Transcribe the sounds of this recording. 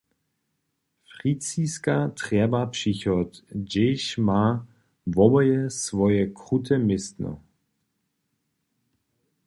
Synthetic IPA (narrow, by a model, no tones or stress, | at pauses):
fʁit͡siskatʁ̥ɛbapʂiçɔtd͡ʒeʃmaː | vɔbɔjɛsvɔjɛkʁutʰɛmɪstnɔ̰